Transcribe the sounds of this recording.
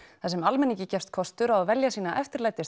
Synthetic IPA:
θθasɛmalmɛnicɪcɛfst̪̚kʰɔst̪ʏɾaðavɛljasiːnaʔɛft̪ɪɾlajt̪ːɪ

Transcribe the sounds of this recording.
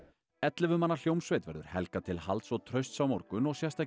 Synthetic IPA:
ɛt̪lɪvʏmanːal̥jowmsvejt̪vɛɾðʏ̰ɾ̥hɛ̰lkat̪ʰɪlha̰lt̪sɔɣt̪ʰɾœɥst̪sawmɔɾkʏnɔɣsjɛst̪a

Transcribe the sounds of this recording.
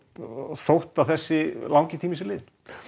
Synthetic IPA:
θowht̪aθɛsːɪlawŋcɪt̪ʰiːmisɪlɪːðn

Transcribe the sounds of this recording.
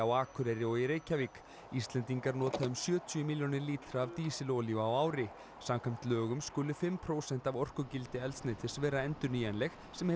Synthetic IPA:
awaːkʰʏɾɛɾɪɔɪɾeːjcavik | ist̪lɛnt̪iŋkaɾnɔːt̪aðʏmsjœːt̪ʰjʏmiljɔnɪɾliːt̪ɾaːvt̪iːsɪlowljʏawaːwɾɪ | samkʰam̥t̪lœːɣʏmskʏlʏfɪmpʰɾoːwsɛn̥t̪avɔr̥kʏcɪlt̪ɪɛlt̪st̪nejt̪ʰɪ̥svɛːɾaɛnt̪ʏɾniɛnlɛx | sɛmh

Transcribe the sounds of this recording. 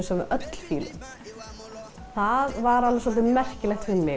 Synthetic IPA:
sɛmɪ̰ɾʔœt̪l̥fiːlʏ̰m | θaðvaɾalvaswɔlt̪ɪmɛr̥cɪlɛxt̪fɪmːɪ

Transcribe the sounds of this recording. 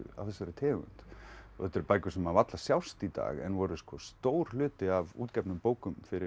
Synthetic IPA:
ʏ̰a̰fθɛsːɛɾɪt̪ʰɛːɣʏ̰nt̪ɔθɛt̪ːɛɾpaːjcʏsɛmaðvat̪lasjawst̪it̪a̰ːɣɛ̰nvɔɾʏskɔst̪oːwɾ̥lʏːt̪ɪavṵːt̪cɛpnʏmpoːwkʏmfɪɾɪ

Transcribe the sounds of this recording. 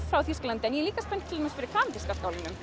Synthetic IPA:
fɾawθisklant̪ɛnjɛliːkaspɛnt̪t̪ʰɪɛmɛsfɪɾɪɾkʰaːmt̪ɪskaskaːwlɪnːʏm

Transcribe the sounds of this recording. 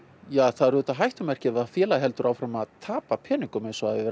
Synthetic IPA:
jaːθaðɾðʏːt̪aɦajht̪ʏmɛr̥cɪɛvafjɛːlaɦɛlt̪ʏɾʔawfɾamaðt̪ʰaːpapʰɛːnɪŋkʏmejnsɔaðɪvɛːɾ

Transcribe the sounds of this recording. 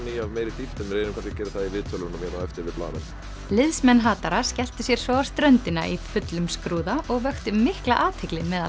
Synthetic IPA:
niːjavmeːjɾɪt̪it̪ʏmɾeːjnʏmkʰanscɪ̥cɛːɾɪθaðivɪːðt̪ʰœlʏɾnamjɛɾaɛft̪ɪɾvɪpla̰ːðɪ̰n | lɪðsmɛnːɦaːt̪aɾascɛl̥t̪ʏsjɛɾ̥svɔɣawst̪ɾœnt̪ɪna̰ʔifʏt̪lʏmskɾuːðaʔɔɣvœxt̪ʏmɪhkla̰ʔaːt̪hɪklɪmɛða

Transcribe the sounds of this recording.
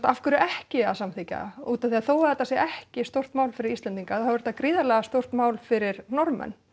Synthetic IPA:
t̪aafkʏɾʏʔɛhcɪasamθica̰uːt̪anθiaðθowaðɛt̪ːasjɛʔɛhcɪst̪owr̥t̪maːwlfɪɾɪɾist̪lɛnt̪iŋkaθaðvɛɾt̪ːakɾiːðaɾlɛɣast̪owr̥t̪maːwlfɪɾɪɾnɔɾmɛ̰n

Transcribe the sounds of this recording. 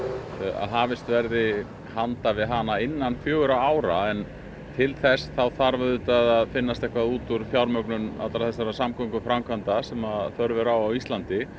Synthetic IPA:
a̰ðɦaːvɪst̪vɛɾðɪ | hant̪avɪðɦanaɪnːanfjœːɣʏɾaaːwɾa̰ɛn | t̪ʰɪlθɛsθawθaɾvœðʏt̪aðaðfɪnːast̪ɛhkvaðuːt̪uɾ̥fjawɾmœknʏna̰t̪laθɛsːaɾasamkʰɔŋkʏfɾamkʰvant̪asɛmaθœɾvʏɾawawist̪lant̪ɪ

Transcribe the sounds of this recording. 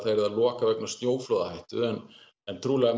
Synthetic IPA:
θaðɛɾðalɔːkavɛknḁst̪njoːwfloːðahajht̪ʏ̰ɛn | ɛnt̪ʰɾuːlɛɣa

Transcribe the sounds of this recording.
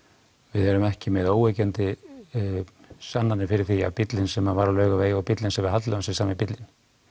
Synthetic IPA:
vɪðɛɾʏmɛhcɪmɪðoːwecɛnt̪ɪ | sanːanːɪfɪɾɪɾ̥θia̰pit̪lɪnsɛmavaɾalœːɥɣaveːjawpit̪lɪnsɛmvɪɦat̪lɛɣamsɪsaːmɪpit̪lɪn

